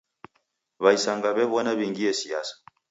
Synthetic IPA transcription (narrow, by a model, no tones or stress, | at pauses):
βaisaŋɡaβɛβɔnaβiŋɡiɛsia̰sḁ